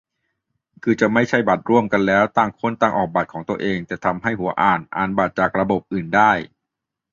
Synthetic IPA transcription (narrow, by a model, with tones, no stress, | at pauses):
kʰɯː˧t͡ɕa˨˩ma˥˩jt͡ɕʰa˥˩jba˨˩t̪̚ɾu˥˩əmka˧nlɛː˦˥wt̪aː˧˩ŋkʰo˧˥˨nt̪aː˧ŋʔɔ̰ː˨˩k̚ba˨˩t̪̚ʰɔː˩˦ŋt̪u˧əʔeː˧ŋt̪ɛː˨˩t̪ʰa˧mɦa˥˩jhu˩˦ɐʔaː˨˩nʔa̰ː˨˩nbaː˨˩t̪̚t͡ɕaː˨˩k̚ɾa˧bo˨˩p̚ʔɯː˨˩ndaː˥˩j